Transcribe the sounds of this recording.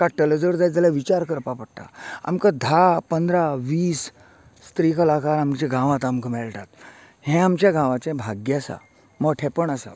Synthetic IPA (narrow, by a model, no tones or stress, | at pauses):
kaʈːələd͡zəɽd͡zajd͡zalaʋit͡ɕaɾkəɾpapəɽt̪a̰a̰mkəd̪ʱapənd̪ɾaʋiːsː | t̪ɾikəlakaɾamt͡ɕeɡʱãʋãt̪amkəmɛɭʈ̪at̪ | hɛ̃amt͡ɕjaɡʱãʋat͡ɕẽbʱaɡjasa̰ | məɡʈʰɛpəɳəsa̰